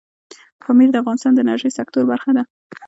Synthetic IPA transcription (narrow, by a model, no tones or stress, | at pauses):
pʰɑmiɾd̪əafɣɑnɪst̪ɑnd̪ənaɾʒəjsakt̪oɾbaɾxad̪a